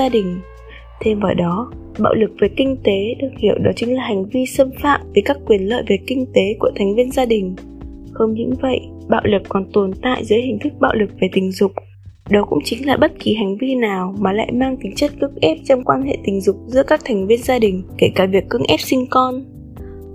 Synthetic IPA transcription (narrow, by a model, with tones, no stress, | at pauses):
aː˧ɗï˨˩ŋ̟ | t̪ʰe˧mvəː˨˩ɗɔ˨˦ | ɓa̰ː˧˨wlɨ˨˩k̚ve˨˩kï˧ŋ̟t̪e˨˦ɗɨ˨˩ək̚hḭ˧˩˨əwɗɔ˨˦t͡ɕï˨˦ŋlaː˨˩ha˨˩ŋ̟vi˧sə˧mfaː˧˥p̚vi˨˩kaː˦˥kːwi˨˩ənlə̰ː˧˨jvi˨˩kï˧ŋ̟t̪e˨˦ku˧˩ət̪ʰɛ˨˩ŋ̟vi˧ənzaː˧ɗï˨˩ŋ̟ | xə˧wŋ͡mɲɨ̰˧˥ŋvə̰˧˨jʔ | ɓa̰ː˧˨wlɨ˨˩k̚kːɔ˨˩nt̪o˨˩nt̪a̰ː˧˨jzəː˨˦jhï˨˩ŋ̟t̪ʰɨ˦˥k̚ɓa̰ː˧˨wlɨ˨˩k̚ve˨˩t̪ï˨˩ŋ̟zʊ˨˩k͡p̚ | ɗɔ˨˦kʊ̰˧˥ŋ͡mt͡ɕï˨˦ŋlaː˨˩ɓə˦˥t̚ki˨˩ɦa˨˩jŋ̟vi˧naː˨˩wmaː˨˩la̰ː˧˨jmaː˧ŋt̪ï˨˦ŋ̟t͡ɕə˦˥t̚kɨ˦˥ək̚ʔɛ˦˥p̚t͡ɕɔ˧wŋ͡mkwaː˧nhḛ˧˨t̪ï˨˩ŋ̟zʊ˨˩k͡p̚zɨ̰˧˥əkaː˦˥k̚t̪ʰɛ˨˩jŋ̟vi˧ənzaː˧ɗï˨˩ŋ̟ke˧˩kaː˧˩vi˨˩əkːɨ˦˥ək̚ʔɛ˦˥p̚sï˧ŋ̟kɔ˧n